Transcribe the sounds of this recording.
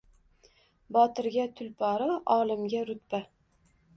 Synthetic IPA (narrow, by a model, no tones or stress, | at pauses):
bɒt̪ʰɪɾɡʲat̪ʰʊlpʰɒɾɨʔɒːlˠɪmɡʲaɾʊt̪ba